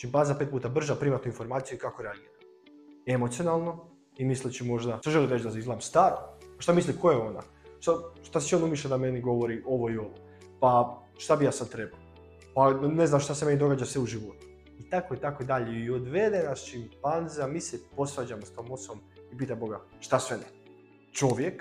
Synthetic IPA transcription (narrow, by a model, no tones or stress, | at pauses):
ʃimpanzapet̪̚puːt̪abr̩ʒapɾiːmat̪nuinfo̞ɾmaːt̪sijuikakoɾeaɡiːɾa | e̞mot̪sionalˠno̞ | imislit͡ɕimo̞ʒd̪asoʒelˠiɾed͡ʑd̪azaizlaemst̪aːɾopaʃt̪amisliko̞jeo̞na̰ | ʃt̪aʃt̪asi̥t͡ʃionumiʃad̪ame̞niɡo̞ʋo̞ɾiʔo̞ʋo̞io̞ʋo | pa | ʃt̪abijaːsad̪̚t̪ɾe̞balo | pane̞znamʃt̪ase̞me̞nid̪o̞ɡaːd͡ʒasʋeuʒiʋo̞t̪u̥ | it̪akoit̪akoid̪aʎeiod̪ʋe̞d̪enasʃimpanziamiːsepo̞sɾad͡ʑamost̪oːmot̪somipiːt̪ambo̞ɡa | ʃt̪asʋene | t͡ʃo̞ʋjek